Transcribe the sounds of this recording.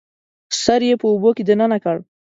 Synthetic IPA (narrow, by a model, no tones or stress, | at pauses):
saɾjepəuboked̪ənənakaɽ